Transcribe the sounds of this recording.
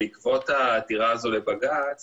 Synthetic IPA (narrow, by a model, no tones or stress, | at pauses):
ikvo̞taːtiʁaːzo̞lebaɡat͡s